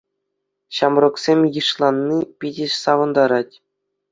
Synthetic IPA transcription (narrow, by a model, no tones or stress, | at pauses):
ɕɑmrŏksʲemʲjɯʂlˠɑnːipʲidʲɘ̆ʂsɑʋɤ̆nd̪ɑɾɑtʲ